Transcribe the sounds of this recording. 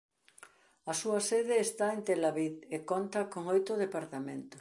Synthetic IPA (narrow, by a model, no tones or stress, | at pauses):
ɐsuɐseðeːst̪aent̪elaβiðekont̪ɐkoŋojt̪ʊðepaɾt̪amẽnt̪ʊ̥s